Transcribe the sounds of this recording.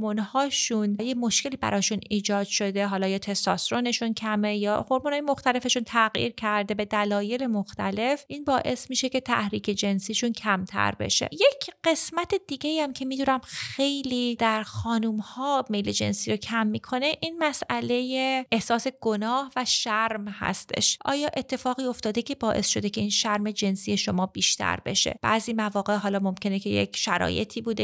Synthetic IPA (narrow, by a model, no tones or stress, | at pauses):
munhɒːʃunjemo̞ʃke̞liːbæ̰ɾʔɒːʃuniːd͡ʒɒːd̪̥ʃo̞d̪e̞ɦɒːlɒːjɒt̪ʰesɒsɾone̞ʃuncʰæmejɒ̰ːhoɾmunhɑːjemoxt̪æle̞fe̞ʃunt̪ʰæɣjḭːɾcʰæɾd̪e̞be̞d̪ælɒːje̞le̞moxt̪æle̞fʔiːnbɒːʔe̞smiːʃe̞cʰe̞t̪ʰæ̰hɾiːcʰe̞d͡ʒe̞nsiːʃuncʰæmt̪ʰæ̰ɾbḛʃḛjecʰɢe̞smæt̪ʰed̪̥iɡe̞iæmcʰe̞miːd̪uːnæmxe̞jliːd̪̥æɾxɒːnuːmhɒːmejle̞d͡ʒe̞̰nsiːɾo̞cʰæmːikʰo̞ne̞ʔiːnmæsʔæle̞jeʔehsɒːse̞ɡ̥onɒːhvæʃæɾmhæ̰st̪ʰe̞̰ʃʔɒ̰ːjɒːʔe̞t̪ʰːe̞fɒːɣiːo̞ft̪ɒːd̪ecʰe̞bɒːʔe̞sʃo̞d̪e̞cʰe̞iːnʃæɾme̞d͡ʒe̞nsiːje̞ʃo̞mɒːbiːʃt̪ʰæ̰ɾbe̞̰ʃḛb̥æːziːmævɒːɣe̞ʔɦɒːlɒːmo̞mcʰe̞necʰejḛcʰʃæɾɒ̰ːjet̪ʰiːbuːd̪e